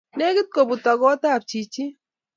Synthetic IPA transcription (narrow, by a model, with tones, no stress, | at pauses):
ne˦ɡɪ˦t̪̚ko˨bu˨t̪a˨ɡɔ˦t̪a˦˨p̚t͡ʃi˨t͡ʃi˦